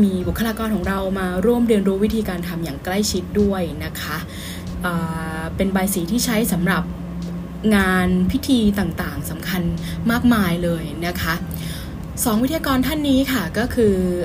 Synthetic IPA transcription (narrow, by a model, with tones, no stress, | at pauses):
miː˧bu˨˩kʰːa˧laː˧kɔː˧nkʰɔː˩˦ŋɾa˧wmaː˧ɾu˥˩əmdɯ˧nɾuː˦˥wi˦˥t̪ʰiː˧kaː˧nt̪ʰa˧mjaː˨˩ŋkla˥˩jt͡ɕʰi˦˥t̪̚du˥˩əjna˦˥kʰa˦˥ʔ | ʔaː˨˩pe˧nbaː˧jsiː˩˦t̪ʰiː˥˩t͡ɕʰa˦˥jsa˩˦mɾa˨˩p̚ | ŋaː˧npʰi˦˥t̪ʰiː˧t̪aː˨˩ŋt̪aː˨˩ŋsa˩˦mkʰa˧n | maː˥˩k̚maː˧jlɤː˧jna˦˥kʰa˦˥ʔ | sɔː˩˦ŋwi˦˥t̪ʰːjaː˧kɔː˧nt̪ʰa˥˩nːiː˦˥kʰa˥˩kɔː˥˩kʰɯː˧